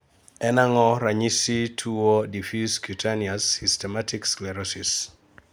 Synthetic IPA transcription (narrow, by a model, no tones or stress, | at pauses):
ɛnaŋɔɾaɲisitʰuɔdifiskjutʰaniasːistɛmatiksklɛɾɔsis